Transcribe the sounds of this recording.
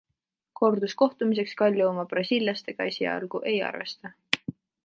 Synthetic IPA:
ko̞rd̪usko̞ht̪umis̬e̞kskɑlʲːuomɑb̥rɑsʲiːlʲjɑst̪e̞ɡ̥ɑesiɑ̰lɡ̥uʔe̞jɑ̰rve̞̰st̪ɑ

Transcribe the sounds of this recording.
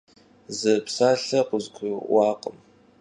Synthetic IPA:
zɨpsaːɬɐqʷʊzkʷʰʊwɑːqʼəm

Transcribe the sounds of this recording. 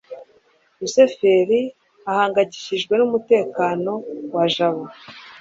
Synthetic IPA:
use̞fe̞ɾi | ahaːŋɡaɟi̥çiʒɡwe̞numute̞ːkaːno̞waʒaβo

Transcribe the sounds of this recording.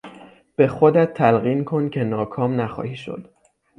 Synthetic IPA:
b̥e̞xod̪æt̪ʰːælɣiːnkʰo̞ncʰe̞nɒːkʰɒːmnæxɒ̰ːhiːʃo̰d̪̥

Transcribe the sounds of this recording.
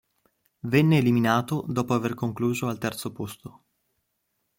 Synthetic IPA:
vɛnːeːliminaːt̪od̪ɔːpoaverkoŋkluːzoalt̪ɛrt̪sopost̪o

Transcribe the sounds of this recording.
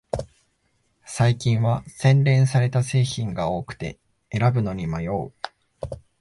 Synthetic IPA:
saikʲĩɰ̃βasẽ̞nɾẽ̞ɰ̃saɾe̞t̪ase̞ːçĩŋɡao̞ːkɯ̟̥t̪e̞̰ | e̞ɾabɯ̟no̞ɲ̟imajo̞ː

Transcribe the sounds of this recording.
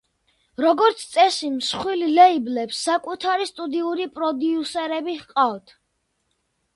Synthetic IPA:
ɾɔɡɔɾt̪sʰt̪sʼɛsimsχwililɛiblɛpsːakʼut̪ʰaɾist̪ʼud̪iuɾipʼɾɔd̪iusɛɾɛbihqʼavt̪ʰ

